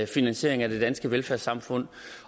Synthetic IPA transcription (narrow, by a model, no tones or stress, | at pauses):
finænɕe̝̰ɐ̰e̝ŋæd̥e̝d̥ænsɡ̥əʋelfæɐ̰sɑ̈mfɔ̽n̰